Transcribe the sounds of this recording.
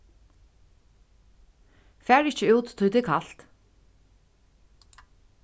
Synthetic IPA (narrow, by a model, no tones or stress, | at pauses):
fæːɹɪçt͡ʃəuːt̪ʰːʊjt̪ɪkʰal̥t̪